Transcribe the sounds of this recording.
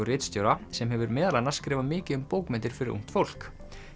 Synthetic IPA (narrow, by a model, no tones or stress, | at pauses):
ʏrɪːt̪st̪jowɾasɛmɦɛvʏɾmɛːðalanːḁskɾɪːvamɪːcɪʏmpoːwkmɛnt̪ɪɾ̥fɪɾɪɾʔṵŋ̥t̪fowl̥k